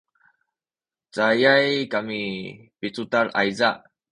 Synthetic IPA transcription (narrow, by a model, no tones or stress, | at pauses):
t͡sajajkami | pit͡sutaɾa̰jzaʔ